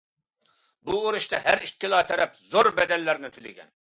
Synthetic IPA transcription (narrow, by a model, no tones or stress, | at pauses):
buoɾuʃt̪ɑɦæɾikʲːilˠɑːt̪ʰɛɾɛpzoɾbɛd̪ɛlːæɾnɪt̪ʰylɪ̰ɡʲɛ̰n